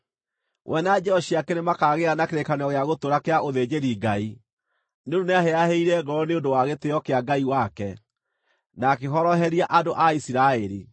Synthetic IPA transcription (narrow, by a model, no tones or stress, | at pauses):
wʔɛnad͡ʒɛɔɕiakɛnemakaɣeanakeɾekanɔɣeaɣotoɾakeaʔoðed͡ʑeɾiɡai | neondoneaheaheiɾɛɡɔɾɔneondowaɣeteɔkeaɡaiwakɛ | nakeɦɔɾɔɦɛɾiaʔadoʔaisiɾaɛɾi